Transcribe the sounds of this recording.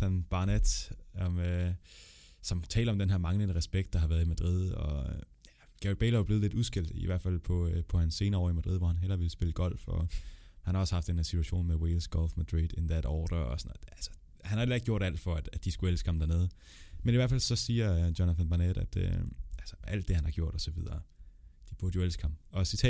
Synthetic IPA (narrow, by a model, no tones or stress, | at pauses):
ænb̥ɑ̈ned̥ɒmø | sɒ̽mt͡sʰɛ̰ːlɐɒ̽md̥enɦeɐmɑ̈ŋlənəʁɛsb̥eɡ̥d̥ɑ̈ɦhɑ̈ʋæɐðˠimæd̥ʁið̞ˠɒ̽ | jæ | ɡ̥æid̥̚bḛːlɐb̥leːð̩ˠle̝̥usɡ̥el̰d̥ḭʋæɐ̰dfæl̰pʰɒ̽pʰɒ̽hænse̝ːnɐɒ̰ːimæd̥ʁiðˠʋɒhænɦel̰ɐʋe̝lsb̥e̝ləɡ̥ɒ̽l̰fɒ̽hænhɑ̈ɒ̽səhɑ̈fd̥enheɐsit͡sʰuæɕo̝̰ːnmewelsɡ̥ɒ̽lfmæd̥ʁḭd̥enðæɾ̥ɒːd̥ɐɒ̽sɒnðˠælsə̥ | hænhɑelɐeɡ̚jo̝ɐ̰ɾæl̰d̥fɒ̽æd̥æd̥isɡ̥uelskʰɒ̽md̥æɐne̝ːð̞̩ˠə | meniʋæɐ̰fælsɒ̽siːɐdjonəfænb̥ɑned̥æd̥ø̰ælsə̥ʔæl̰d̥ːe̝hænhɑ̈ɡ̥jo̝ɐ̰ɾ̥ɒ̽sɒ̽ʋið̞ˠɐːd̥ib̥uɐd̥jioelsɡ̥hɑ̈m̰ɒ̽sit͡sʰɛ